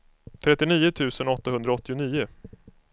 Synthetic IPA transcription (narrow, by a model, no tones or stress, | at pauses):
t̪ʰɾɛt̪ːɪniːʊt̪ʰʉ̟ːsənɔt̪ːaɦɵnd̪ɾaɔt̪ːɪʊniːʊ